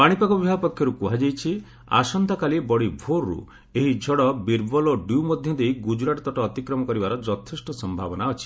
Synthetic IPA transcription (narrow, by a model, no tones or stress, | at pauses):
paɽ̃ipakɔbibʱapɔkʰːjɔɾukuɦad͡ʒajt͡ʃʰi | a̰sɔnd̪ʱakalibɔɽibʱoɾːṵ | eɦid͡ʒʱɔɽɔbiɾbɔlɔɖjumɔd̪ʱjɔd̪eiɡud͡ʒɾaʈɔt̪ɔʈɔːt̪ikɾɔmɔkɔɾibaɾɔd͡ʒɔt̪ʰisʈɔsɔmbʱabɔnaɔt͡ʃʰi̥